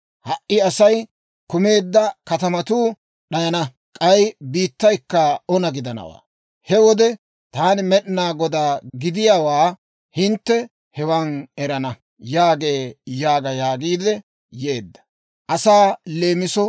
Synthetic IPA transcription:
hɐʔʔːɪɐsɐj | kʊme̞ːd̪ːɐkɐt̪ɐmɐt̪uː | ɗɐjɐnɐ | kʼɐjbiːt̪ːɐjkːɐɔnɐɡɪd̪ɐnɐ̰wa̰ː | hɛwɔd̪ɛ | t̪aːnɪmɛɗnaːɡɔd̪aːɡɪd̪ɪjawaː | hɪnt̪ːɛ | hɛwɐnɛɾɐnɐ | jaːɡe̞ːjaːɡɐjaːɡiːd̪ɛ | je̞ːd̪ːɐ̥ | ʔɐsaːle̞ːmɪsɔ

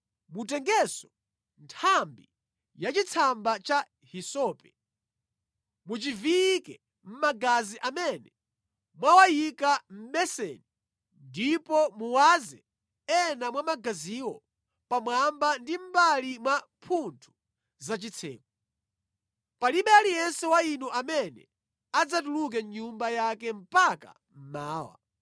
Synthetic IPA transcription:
mutɛŋɡɛsɔ̥ | ntʰambi | jat͡ʃit͡sʰambat͡ʃa | hisɔːpɛ | mut͡ʃivikɛ | m̩maɡaziʔamɛnɛ | mwawajikam̩ɓɛsɛ̰ni | ndipɔmuwazɛ | ɛnamwamaɡaziwɔ̰ | pamwambandim̩balimwa | pʰuntʰu̥ | zat͡ʃit͡sʰɛ̰ːk̚ɔ | paliɓɛalijɛnsɛwainɔʔamɛnɛ̰ | ad͡zat̬uluk̬ɛɲumbajakɛm̩paka̰ | m̩maːwa̰

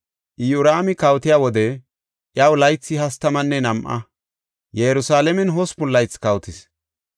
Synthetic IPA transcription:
ʔɪjʊɾaːmɪkɐwt̪ɪjaːwɔd̪ɛ | ʔjɐwlɐjt͡sːɪhɐst̪ɐmɐnːɛnɐmʔɐ̰ | jɛɾʊsaːlɛmɛnɦɔspʊlːɐjt͡sːkɐwt̪ɪs

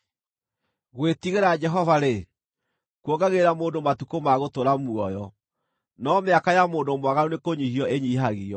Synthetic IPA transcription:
ɣwetiɣeɾad͡ʒɛɦɔvaɾe | kwoɡaɣeɾamoːndomatukomaɣotoɾamuɔjɔ | nɔmeakajamoːndomwaɣaɾonekoɲihiɔeɲiɦaɣiɔ

